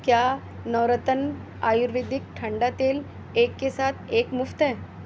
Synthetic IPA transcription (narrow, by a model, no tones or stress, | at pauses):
kja | nəʋɾət̪ən | aːjuɾʋid̪ʱik̚ʈʰəɳɖat̪eːl | eːkːesaːt̪ʰeːkmʊft̪ɦɛ̃ː